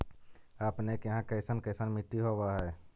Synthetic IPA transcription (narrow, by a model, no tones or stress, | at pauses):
əpnekɦãkəɪsənkəɪsənmiʈːiɦobaɦɛ